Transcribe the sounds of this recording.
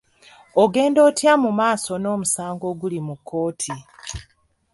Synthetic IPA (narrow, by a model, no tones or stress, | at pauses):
oɡe̞ːndo̞ːtjamumaːso̞no̞ːmusaːŋɡo̞ːɡulimukʰːo̞ːtʰi